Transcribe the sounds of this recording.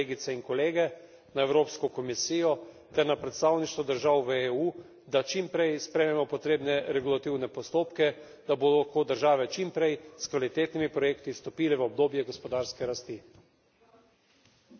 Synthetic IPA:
eːɡit̪sɛinkɔleːɡɛ | naɛwɾoːpskɔkɔmisijɔ | t̪ɛɾnapɾɛt̪st̪aːwniʃt̪ʋɔd̪əɾʒaːwʋəeːu | d̪at͡ʃimpɾɛjspɾɛjmɛmɔpɔt̪ɾeːbnɛɾɛɡulat̪iwnɛpɔst̪oːpkɛ | d̪aboːd̪lxkoːd̪əɾʒaːʋɛt͡ʃimpɾɛjskʋalit̪eːt̪nimipɾɔjeːkt̪ist̪ɔpiːlɛʋəɔb̚d̪oːbjɛɡɔspɔd̪aːɾskɛɾast̪i

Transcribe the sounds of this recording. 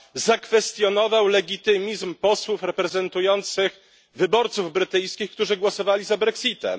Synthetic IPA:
zakfɛst̪jɔnɔvawlɛɡʲit̪ɘmʲizmpɔswufɾɛpɾɛzɛnt̪ujɔnt̪sɘx | vɘbɔɾt̪suvbɾɘt̪ɘjskʲixk̚t̪uʐɘɡwɔsɔvalʲizabɾɛksʲit̪ɛ̰m

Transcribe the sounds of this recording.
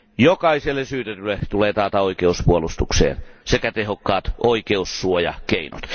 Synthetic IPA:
jokɑiselːesyːt̪et̪ylːet̪uleːt̪ɑːt̪ɑoikeuspuolust̪uksḛːnsekæt̪eɦokːɑːt̪ʔoikeusːuojɑ̰keino̰t̪

